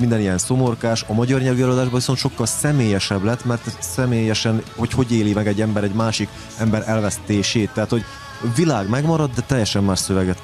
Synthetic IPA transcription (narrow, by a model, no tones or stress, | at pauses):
mind̪ɛnijɛnso̞mo̞rkaːʃɒmɒɟɒrɲɛlyɛlod̪aːʒbɒviso̞nt̪ʃo̞kːɒlsɛmeːjɛʃɛblɛt̪ːmɛrt̪sɛmeːjɛʃɛnho̞cho̞ɟeːlimɛɡɛɟːɛmbɛɾɛɟmaːʃik | ɛmbɛɾʔɛlvɛst̪eːʃeːt̪ːɛɦat̪ho̞ɟ | vilaːɡmɛɡmɒɾɒd̪ːɛt̪ɛjːɛʃɛmːaːrʃsøvɛɡɛt̪